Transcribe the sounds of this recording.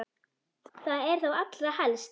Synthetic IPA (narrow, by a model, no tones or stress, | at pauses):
θaðɛɾ̥θowat̪lɾahɛlst̪